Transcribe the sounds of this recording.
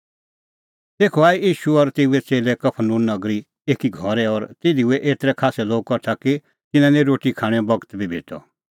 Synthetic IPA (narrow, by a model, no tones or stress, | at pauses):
t̪eːkʰɔaːiiːʃuɔɾt̪eːuɛt͡seːlɛkɐpʰənũːnːɐɡɾi | eːkiɡʱɔɾɛɔɾt̪eːd̪iuɛʔeːt̪ɾɛkʰaːsɛloːɡ̚kɔɾt̪ʰakɪ | t̪ɪnãnɛ̃ɾoːʈikʰaːɽ̃ɛ̃bɐɡət̪bʱibʱḛːʈʰɔ̰